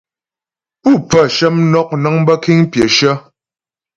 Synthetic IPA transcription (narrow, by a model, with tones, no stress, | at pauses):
pu˦˨pə˦˨ʃə˦mnɔ˦k̚na˨˦ŋbə˦ki˦ŋpjə˨ʃə˦